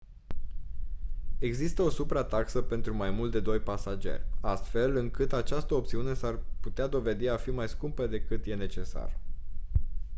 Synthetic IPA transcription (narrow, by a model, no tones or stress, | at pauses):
e̞ɡzist̪əo̞supɾat̪aksəpe̞nt̪ɾumajmult̪d̪e̞d̪o̞jpasad͡ʒe̞̰rʲast̪fe̞lɨŋkɨt̪at͡ʃast̪əo̞p̚t̪siune̞sarput̪ead̪o̞ve̞d̪iafimajskumpəd̪e̞kɨt̪je̞ne̞t͡ʃe̞sa̰r